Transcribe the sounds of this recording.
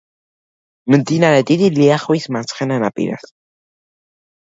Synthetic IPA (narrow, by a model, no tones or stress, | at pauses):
mənt̪inanet̪id̪iliaχwismant͡sχenanapḭɾa̰s